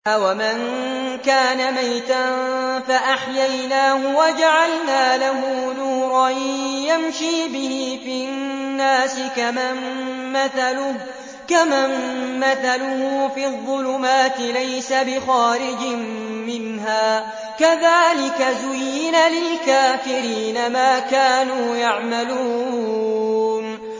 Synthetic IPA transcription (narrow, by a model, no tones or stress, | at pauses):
ʔwamaŋ | kaːnamajt̪anfaʔaħjajnaːhʊwad͡ʒaʕalnaːlaɦuːnuːɾˤɑnjamʃiːbɪhiːfinnnnːaːsɪkamm | kamammaθalʊhʊːfiːðˤːʊlʊmaːt̪ɪlajsabɪxaːɾɪd͡ʒɪm | mɪnɦaː | kaðaːlɪkazʊjːɪnalɪlkaːfɪɾiːnamaːkaːnuːjaʕmaluː | n